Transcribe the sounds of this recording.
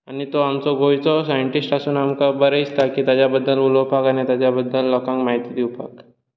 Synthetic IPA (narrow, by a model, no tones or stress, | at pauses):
anit̪oamt͡sɔɡojt͡sɔsajəɳʈisʈasuːnamkabəɾəjst̪akiːt̪jad͡ʑjabəd̪ːəlulopakanit̪jat͡ɕjabəd̪ːəlːɔkãŋkmaɦit̪id̪iwpa̰k